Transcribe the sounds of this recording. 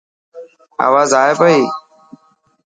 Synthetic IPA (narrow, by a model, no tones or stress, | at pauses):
a̰ːʋaːzaːeːpəiː